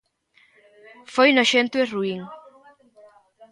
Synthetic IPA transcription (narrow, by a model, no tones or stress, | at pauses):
fojnoʃent̪weruiŋ